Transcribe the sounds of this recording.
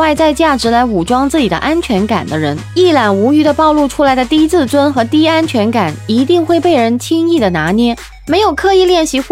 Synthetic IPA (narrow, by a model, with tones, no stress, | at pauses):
wa˥˧ɪt͡sa˥˧ɪt͡ɕja˥˩ʈ͡ʂɻ̩˧˥la˧˥ɪu˨˩ʈ͡ʂwɑ˥ŋt͡sɹ̩˥˩t͡ɕi˨˩d̪ə̰˦˧ʔa˥nt͡ɕʰɥɛ˧˥nka̰˨˩nd̪ə˦ɻə˧˥ni˥˩la˨˩nu˧˥y˧˥d̪ə˧pɑ˥˧ʊlu˥˧ʈ͡ʂʰu˥la˧˥ɪd̪ə˧t̪i˥t͡sɹ̩˥˩t͡swə˥nxɤ˧˥t̪i˥a˥nt͡ɕʰɥɛ˧˥nka˨˩ni˧˥t̪i˥˧ŋxwe˥˧ɪpe˥˩ɪɻə˧˥nt͡ɕʰi˥ŋi˥˩d̪ə˩na˧˥njɛ˥ | me˧˥ɪjo˨˩ʊkʰɤ˥˧i˥˧ljɛ˥˩nɕi˧˥x